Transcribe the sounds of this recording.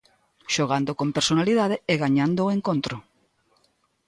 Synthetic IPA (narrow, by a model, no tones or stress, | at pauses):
ʃoɣ̞and̪okompeɾsonaliðað̞eeɣaɲand̪oeŋkont̪ɾo